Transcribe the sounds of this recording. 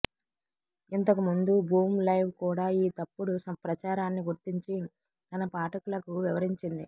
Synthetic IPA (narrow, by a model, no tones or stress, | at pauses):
int̪ɐkumund̪ubʱuːmlɐjʋkuːɽaːiːt̪ɐpːuɽusɐpɾɐt͡ʃaːɾaːnːiɡuɾt̪iɲt͡ʃi | t̪ɐnɐpaːʈɐkulɐkuʋiʋɐɾiɲt͡ʃind̪i